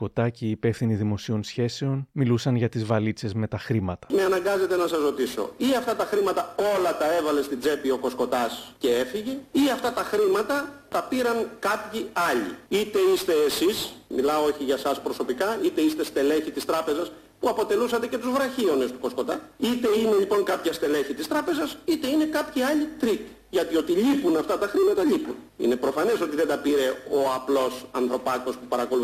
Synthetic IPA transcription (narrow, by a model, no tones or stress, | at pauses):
ko̞t̪ɐciːpe̞fθiniðimo̞sio̞nsçe̞se̞o̞nmilusɐnʝɐt̪izvɐlit͡se̞zme̞t̪ɐxɾimɐt̪ɐ̥me̞ɐnɐŋɡɐze̞t̪e̞nɐsɐzɾo̞t̪iso̞̰iɐft̪ɐt̪ɐxɾimɐt̪ɐo̞lɐt̪ɐe̞vɐle̞st̪id͡ze̞pio̞ko̞sko̞t̪ɐsce̞e̞fiʝeiɐft̪ɐt̪ɐxɾimɐt̪ɐt̪ɐpiɾɐŋkɐpçiɐʎḭit̪e̞ist̪e̞ːsismilɐooçiʝɐsɐspɾo̞so̞pikɐit̪e̞ist̪e̞st̪e̞le̞çit̪ist̪ɾɐpe̞zɐs | puɐpo̞t̪e̞lusɐt̪ece̞t̪uzvɾɐçio̞ne̞st̪u̥ko̞sko̞t̪ɐ̰it̪e̞ine̞ʎipo̞ŋkɐpçɐst̪e̞le̞çit̪ist̪ɾɐpe̞zɐsit̪e̞ine̞kɐpçiɐʎit̪ɾik̪ | ʝɐt̪io̞t̪iʎipunɐft̪ɐt̪ɐxɾimɐt̪ɐʎipṵn | ḭne̞pɾo̞fɐne̞so̞t̪iðed̪ɐpiɾe̞o̞ɐplo̞sɐ̰nθɾo̞pɐko̞spupɐɾɐko̞lu